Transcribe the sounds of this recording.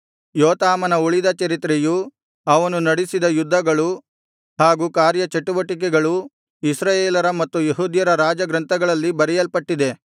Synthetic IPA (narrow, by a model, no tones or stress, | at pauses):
joːt̪aːmɐnɐuɭid̪ɐt͡ʃɐɾit̪ɾeju | ɐʋɐnunɐɽisid̪ɐjud̪ʱːɐɡɐɭu | haːɡuːkaːɾjɐt͡ʃeʈːuʋɐʈik̬ɛɡɐɭu | isɾaːjeːlɐɾɐmɐt̪ːujeɦuːd̪jɐɾɐɾaːd͡ʒɐɡɾɐnt̪ʰɐɡɐɭɐlːibɐɾɛjɐlpɐʈːid̪e̞